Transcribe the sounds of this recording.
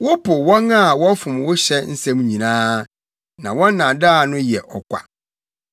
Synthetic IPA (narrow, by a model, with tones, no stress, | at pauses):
wʊ˦pʊ˨wɔ̃˦na˦˨wɔ˦fʊ̃˨mwʊ˦ɕɛ˦n̩˦sɛ̃˦m˦ɲĩ˨nãː˦ | nã˨wɔ̃˦nː˦ã˨daː˦˨nʊ̃˦jɛ˨ʔɔ˨kʷa̰˨